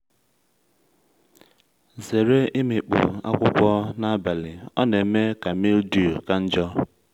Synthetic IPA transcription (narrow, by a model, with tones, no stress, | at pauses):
ze˨ɾe˦i˦mi˨k͡pṵ˨a̰˦kʷʊ˦kʷɔ˦na˦ba˨lɪ˨ɔ̰˦ne˨˦me˦ka˨mi˦ldu˦˨ka˦n̩˦d͡ʒɔ˦